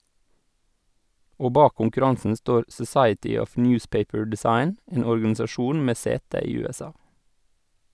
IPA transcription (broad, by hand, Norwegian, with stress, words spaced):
ˈoː ˈbɑː kʊŋkʉˈɾɑŋsən ˈstoːɾ sɔˈsɑɪətʏ ˈɔf ˈnjʉːspeɪpəɹ dɛˈsɑɪn ˈeːn ɔɾɡɑnɪsɑˈʃuːn ˈmeː ˈseːtə ˈiː ˌʉːɛˈsɑː